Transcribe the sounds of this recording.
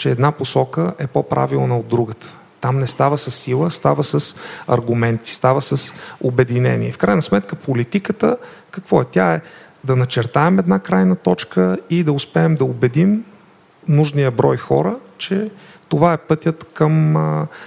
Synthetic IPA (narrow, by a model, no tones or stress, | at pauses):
t͡ʃɛɛːd̪naposɔkəʔɛpopɾʔa̰vilˠnəod̪ːɾuɡət̪ə̥ | t̪amnɛst̪avəsɐsːilˠəst̪avəsəsɐ̰ɾɡʊmɛnt̪i̥st̪avəsəsobɛd̪inɛ̰nḭɛfkɾajnəsmɛt̪kəpolit̪ikət̪əkɐkvɔɛt̪ʲjaɛ | d̪ɐnɐt͡ʃɛɾt̪aɛmɛd̪nakɾajnət̪ɔt͡ʃkəid̪ɐʊspɛːmd̪ɐobɛd̪im | nuʒnijəbɾɔjxɔ̰ɾət͡ʃɛt̪ovaɛpɤt̪ʲjət̪kəmə